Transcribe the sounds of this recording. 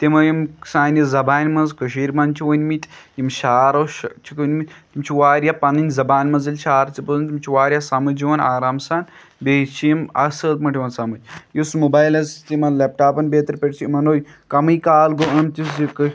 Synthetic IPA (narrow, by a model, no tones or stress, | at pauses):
t̪imɐjimsaːnʲizɐbaːnʲmɐnzkəʃiːɾʲmɐnt͡ʃʰiwɐnʲmit̪ʲimʃaːɾɐʃt͡ʃʰikɐnʲmit̪ʲt̪imt͡ʃʰiʋaːɾʲjapɐnɨnʲzɐbaːnʲmɐnzɐlʲʃaːɾt͡sipəzɨnʲt̪imt͡ʃʰiʋaːɾʲjasɐmɐd͡ʒiʋɐnaːɾaːmsaːn | beːt͡ʃʰimɐ̰səːt̪mɐʈʰiʋɐnsɐmɨt͡ʃʲjusmubaːjlɐzt̪imɐlep̚ʈaːpɐnbeːt̪ɾpʲeʈʲt͡ʃʰiimɐnoːj | kɐmɨjkaːlɡoʔɐnt̪ʲisik